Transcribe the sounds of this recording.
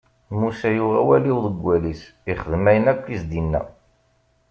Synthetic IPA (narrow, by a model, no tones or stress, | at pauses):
musæjuʁæ̰wæliwðəɡʷːælisiχəðəmæjənækʷːizd̪inːæ̰